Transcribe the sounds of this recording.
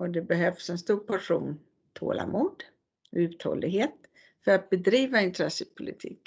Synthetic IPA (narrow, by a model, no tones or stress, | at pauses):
ɔd̪ɛbɛɦœfsɛnst̪uːɾpʰaʂuːn | t̪ʰo̰ːla̰muːd̪ | ɔʉ̟ːt̪ʰhɔ̰lːɪɡɦeːt̪ | fœɾat̪̚bɛd̪ɾiːvaɪnt̪ʰɾɛsəpʰʊlɪt̪ʰiːk